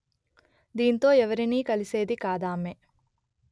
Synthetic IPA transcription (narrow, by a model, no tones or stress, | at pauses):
d̪iːnt̪o̞ːɛʋɐɾiniːkɐlise̞ːd̪ikaːd̪aːme